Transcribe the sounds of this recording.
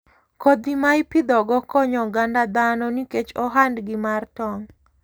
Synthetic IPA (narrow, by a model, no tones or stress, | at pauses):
kod̪imaipid̪ɔɡɔkɔɲɔɡandad̪anɔniket͡ʃɔɦandɡɪmartɔŋ